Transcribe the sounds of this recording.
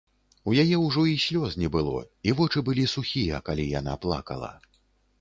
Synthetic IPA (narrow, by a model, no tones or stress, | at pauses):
ujajɛwʐɔisʲlʲɔznʲɛbɨlˠɔ̰ivɔt͡ʂɨbɨlʲisuxʲijɐ̰kalʲijana̰plˠa̰kɐ̰lˠɐ̰